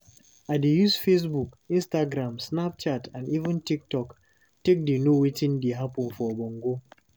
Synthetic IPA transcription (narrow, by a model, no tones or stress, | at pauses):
adejusfes̬buk | ĩnstaɡɾãmsnap̚t͡ʃatãnivə̃ntik̚tɔk | tek̚denowetĩndeɦapɔ̃nfɔbɔ̃ŋɡo